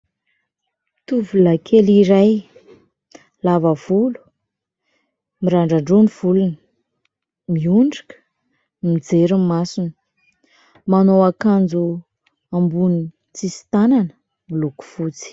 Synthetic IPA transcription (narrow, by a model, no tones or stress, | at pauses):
t̪uvulakʰeliɾaj | lavav̥ulu̥ | miɾaɳɖ͡ʐaɳɖ͡ʐoniv̥ulunə̥ | miuɳɖ͡ʐḁkə̥ | mid͡zeɾummːasunə̥ | manowakand͡zu | ambuni | t͡sisi̥t̪ananə | miluku̥fut͡si̥